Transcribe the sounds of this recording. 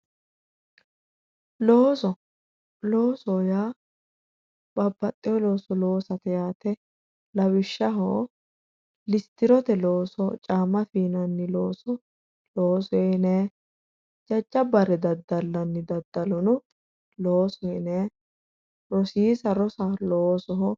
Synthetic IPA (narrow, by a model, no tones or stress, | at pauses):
loːsɔ | loːsɔjaː | b̥ɐbːɐt̪ʼːɪjɔlo̞ːsɔlo̞ːsɐt̪ɛjaːt̪ɛ | lɐwɪʃːɐɦo̰ː | lɪst̪ɪɾɔt̪ɛloːsɔt͡ʃʼaːmɐfiːnɐnːɪloːsɔ | loːsɔɛnɛ | d͡ʒɐd͡ʒːɐbɐɾɛd̪ɐd̪ːɐlːɐnːɪd̪ɐd̪ːɐlɔnʊ | loːsɔɛnɛ | ɾɔsiːsɐɾɔsaloːsɔɦɔ